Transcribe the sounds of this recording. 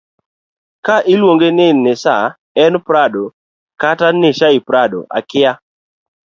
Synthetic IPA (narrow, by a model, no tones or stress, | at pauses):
kaʔɪlwoŋɡenɪnɪsa | ɛnpɾado | kataneʃaɪpɾado̰ʔa̰kɪa